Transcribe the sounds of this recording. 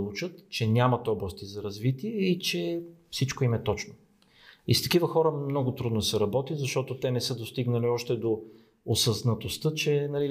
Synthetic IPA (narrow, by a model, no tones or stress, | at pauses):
lˠut͡ʃət̪t͡ʃɛnʲamɐt̪ɔblˠɐst̪izɐɾɐzvit̪iɛit͡ʃɛfsit͡ʃkoimɛt̪ɔt͡ʃno | ist̪ɐ̥kivəxɔɾəmnɔɡʊt̪ɾud̪nosɛɾɐbɔt̪izɐʃt̪ɔt̪ot̪ɛnɛsɤd̪ost̪iɡnəliɔʃt̪ɛd̪o | osɐznɐt̪ost̪ət͡ʃɛnɐli